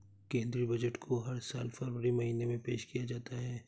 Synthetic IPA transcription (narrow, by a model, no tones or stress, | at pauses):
kẽːnd̪ɾibɐd͡ʒəʈkʰoɦɐɾsaːlfɐɾwəɾimɐɦiːnemẽpeːʃkijad͡ʒaːt̪aɦɛː